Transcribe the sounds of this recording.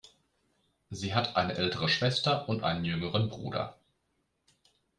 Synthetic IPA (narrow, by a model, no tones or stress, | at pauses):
ziːɦatʰʔaɪnəʔɛltəʁəʃv̥ɛstɐʔʊntʔa̰ɪnənjʏŋəʁənbʁṵːdɐ̰